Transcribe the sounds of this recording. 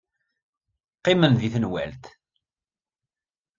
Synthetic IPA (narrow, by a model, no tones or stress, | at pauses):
qːɪmənðiθənwæ̰lt̪